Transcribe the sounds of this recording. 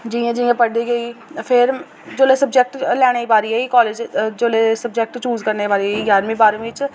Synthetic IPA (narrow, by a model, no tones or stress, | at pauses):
d͡ʒĩːãːd͡ʒĩːãːpəɽɖiːɡəiːpʰɪɾ | d͡ʒoːlesəbd͡ʒɛk̚ʈlɛːɽ̃eːibaːɾiɛiːkɔːleːd͡ʒd͡ʒoːleːsəb̚d͡ʒek̚ʈt͡ʃuːzkəɾnebaːɾiijaːɾmĩːbaːɾẽɪt͡ʃ